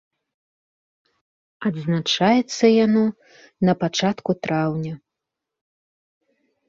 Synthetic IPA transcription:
ɐd̪znat͡ʂajɛt̪sːɐjanɔ | nɐpat͡ʂat̪kut̪ɾawnʲɐ

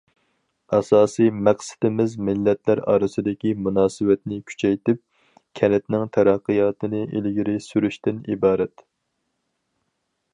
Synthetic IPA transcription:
ɛsɑːsijmɛqsɪ̥d̪ɪmɪzmɪlːɛt̪læɾɑ̰ːɾɨsɨd̪ɪkʲimunɑːsɨwɛt̪nɪkʲʰy̥t͡ʃʰɛjt̪ɪp̚ | kʲʰɛlɪt̪nɪŋt̪ʰɛɾæqːɨjɑːt̪ɨnɨʔilɡʲiɾɪsyɾyʃt̪ɪnḭbɑːɾɛt̪

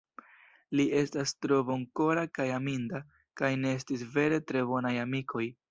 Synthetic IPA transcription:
liʔe̞stastɾo̞voŋko̞ɾakajaminda | kajne̞estisve̞ɾe̞tɾe̞bo̞najamikʰo̞j

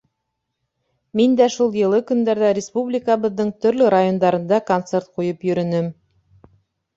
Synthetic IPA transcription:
mind̪æʃulˠjɤ̆lˠɤkɵ̆nd̪æɾðæɾʲɪspublʲɪkəβɤ̆ðːɤɴt̪ɵ̆ɾlɵɾajo̞nd̪ɑɾɤ̆nd̪ɑkont̪sert̪̚qujɤpjɵ̆ɾɵ̆nɘm

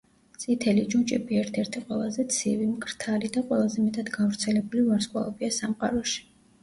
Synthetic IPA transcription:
t̪sʼit̪ʰɛlid͡ʒunt͡ʃʼɛbiɛɾt̪ʰɛɾt̪ʰiqʼwɛlˠazɛt̪sʰivimkʰʼɾt̪ʰalid̪aqʼwɛlˠazɛmɛt̪ʼad̪ɡavɾt̪sʰɛlɛbulivaɾskʼwa̰lˠɔbiasamqʼa̰ɾɔʃi̥

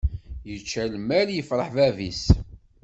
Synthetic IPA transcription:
jət͡ʃːælmæɾjəfɾˤəħvævis

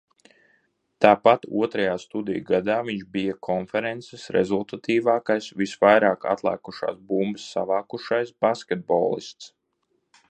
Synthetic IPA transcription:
t̪aːpat̪ṵɔt̪ɾɐjaːst̪ud̪ḭjɡad̪aːviɲʒbijakʰɔnfɛɾɛnt̪sesɾɛ̰zulˠt̪at̪iːvaːkajsvisvajɾaːka̰t̪lˠæ̰ːkuʃa̰ːsbumbɨsːa̰vaːkuʃajsbaskʲɛt̪̚bɔ̰ːlˠḭst̪s

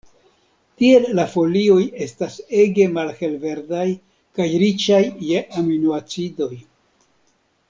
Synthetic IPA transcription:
tie̞lːafo̞lio̞je̞stase̞ɡe̞malhe̞lve̞ɾdaj | kajɾit͡ʃajːeʔaminuat͡sido̞j

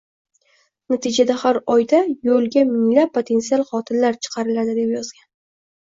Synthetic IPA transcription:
nat̪ʰɪd͡ʒad̪ahaɾɒjd̪ajolˠɡʲamɪŋlapʰːot̪ʰe̞nt̪sialˠχɒt̪ʰɪnlaɾt͡ʃʰɨ̥qʰɑɾɪlad̪ɪd̪e̞pjɒz̥ɡʲan

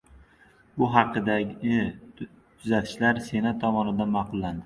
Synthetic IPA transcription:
bʊɦɑqʰːɨd̪aɡʲɪ | t̪ʰʊzat̪ʰɪ̥ʃlaɾse̞nat̪ʰːɒmɒnɪd̪anmɑqʰʊlˠːand̪ɪ

